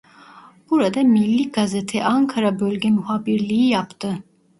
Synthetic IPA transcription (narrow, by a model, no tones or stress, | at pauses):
b̥uɾad̪amilʲːiɡazet̪ʰɛʔaŋkʰaɾabølʲɟɛmyɦaːbiɾlʲijijapt̪ʰɯ